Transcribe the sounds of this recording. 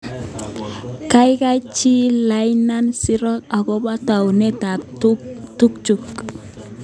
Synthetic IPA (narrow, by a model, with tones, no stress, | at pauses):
ka˦jka˦jt͡ʃi˦la˨jna˦nsɪ˦ɾɔ˦ta˨kɔ˦ba˦ta˨wne˦ta˨tutu˦kt͡ʃu˨k